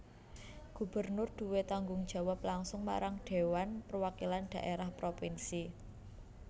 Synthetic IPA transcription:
ɡ̥ṳb̥ərnʊrd̪̥ṳwet̪aŋɡʊŋd̥ʒ̥a̤waplaŋsʊŋma̰ɾaŋɖ̪̥e̤wanpərwakiland̪̥a̤ʔeɾahpɾopinsi

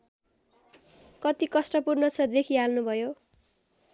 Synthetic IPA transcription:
kʌt̪ikʌsʈʌpurnʌt͡sʰʌd̪ekʰialnubʱʌjo

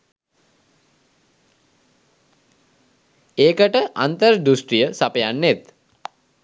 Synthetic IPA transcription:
eːkəʈəʔa̰nt̪əɾd̪usʈɾijəsapəjanːet̪

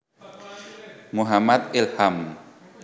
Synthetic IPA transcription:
muɦamat̪̚ʔilham

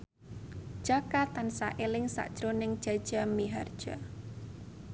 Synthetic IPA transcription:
d̥ʒ̥akat̪ansaʔelɪŋsa̰ʔd̥ʒ̥ɾonɪŋd̥ʒ̥a̤d̥ʒ̥amiɦard̥ʒ̥a̰

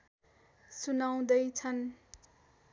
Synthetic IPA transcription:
sunaw̃d̪ʌjt͡sʰʌn

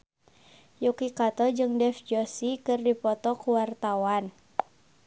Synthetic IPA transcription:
jukikat̪ɔd͡ʒɨŋdɛfd͡ʒɔsikɨrdipɔt̪ɔkuwart̪awan

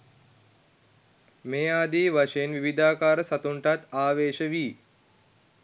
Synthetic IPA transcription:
meːaːd̪iːʋaʃejenʋiʋid̪aːkaːɾəsat̪uɳʈat̪aːʋeːʃəʋiː

